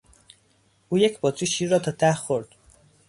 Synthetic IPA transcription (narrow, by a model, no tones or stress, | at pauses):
ʔuːjecʰbɒːt͡sʰuːʃiːɾːɒːt̪ʰɒːt̪ʰæhxoɾd̪̥